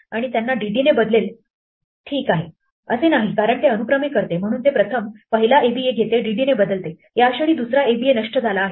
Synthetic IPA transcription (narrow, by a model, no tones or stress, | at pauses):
aɽ̃it̪janːaɖiɖinebəd̪lel | ʈʰiːkaɦe | ə̰senaɦikaɾəɳt̪eənukɾəmikəɾt̪em̤əɽ̃uːnt̪epɾət̪ʰəmpəɦilaʔebieɡʱet̪eɖiɖinebəd̪əlt̪e | ɦjaəɕəɭiːd̪usɾaebienəʂʈəd͡zʱalaːɦe